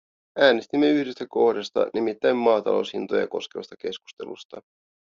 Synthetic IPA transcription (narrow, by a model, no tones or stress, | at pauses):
æːnest̪imːe̞yhde̞st̪æko̞hdɑst̪ɑ̰nʔimit̪ːæjmːɑːt̪ɑ̰lo̞̰wshint̪ojɑ̰ko̞ske̞ʋɑ̰st̪ɑke̞sku̥st̪e̞̰lṵst̪ɑ